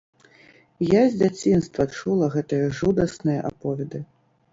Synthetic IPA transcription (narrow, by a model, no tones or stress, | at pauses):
jazʲd͡zʲat͡sʲinst̪vɐt͡ʂulˠɐɣɛt̪ɨjɐʐud̪ɐsnɨjɐʔapɔvʲɛd̪ɨ